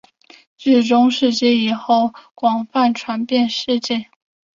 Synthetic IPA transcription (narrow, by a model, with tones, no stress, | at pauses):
t͡ɕi˥˩ʈ͡ʂʊ˥ŋʂɻ̩˥˧t͡ɕjɛ˥˩i˨˩xo˥˩ʊkwɑ˨˩ŋfa˥˩nʈ͡ʂʰwa˧˥npjɛ˥˧nʂɻ̩˥˧t͡ɕjɛ˥˩n